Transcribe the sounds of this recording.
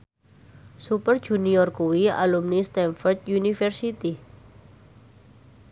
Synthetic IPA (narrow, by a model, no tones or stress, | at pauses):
supərd̥ʒ̥ṳniɔrkuwia̰lumnist̪ɛnfɔrt̪̚junifɛrsit̪i